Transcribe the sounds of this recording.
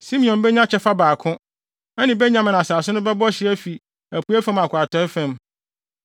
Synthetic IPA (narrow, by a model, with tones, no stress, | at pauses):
sĩ˦mĩ˨ɔ̃˨nbɛ˦ɲã˦t͡ɕʰɛ˦fa˦baː˨kʰʊ̃˦ | ɛ˦nɪ̃˨bɛ˦ɲã˨m˨nã˨saː˨sʊ˦nʊ̃˦bɛ˦bɔ˦ɕɪ˨˦æ˦fi˨ | æ˨pʰu˦æ˦fæ̃˦ma˨kʰʷʊ˨a˨tʰɔ̃˨˦fæ̃˨m